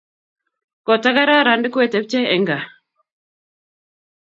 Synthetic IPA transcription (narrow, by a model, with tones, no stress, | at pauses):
kɔ˨ta˦ka˦ɾa˦ɾa˨ndɪ˦kwe˦˨tɛ˨p̚t͡ʃɛ˦ɛ˨ŋɡa˨